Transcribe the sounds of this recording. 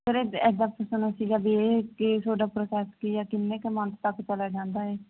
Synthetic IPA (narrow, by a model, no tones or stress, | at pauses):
pəɾeːɛːd̪aːpəsənasiːɡaːbieːket̪ʰoːɖaːpɾoːkɛːskiːaːkɪnːeːkemə̃nt̪t̪əkt͡ʃəlaːd͡ʒãːnd̪aːɛː